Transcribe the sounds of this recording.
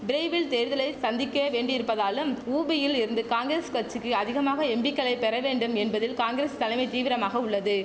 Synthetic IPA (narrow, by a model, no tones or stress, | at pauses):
bɪɾeɪʋɪlt̪eːɾðɐlɐɪsɐnd̪ɪkːɐʋeːɳɖɪɾɯpːɐðaːlɯmuːbɪjɪlɪɾɯnd̪ɯkaːŋɡɪɾeːskɐʈt͡ʃːɯkːɯɐðɪɣɐmaːɣɐɛmbɪkːɐɭɐɪpɛɾɐʋeːɳɖɯmɛnbɐðɪlkaːŋɡɪɾeːst̪ɐlɐɪmɐɪt̪iːʋɪɾɐmaːɣɐʊɭːɐðɯ